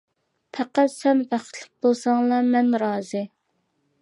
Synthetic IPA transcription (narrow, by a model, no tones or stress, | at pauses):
pʰæqæt̪sɛmvæχʰlɪk̚ʲbolˠsɑŋlˠɑmɛnɾɑːzɨ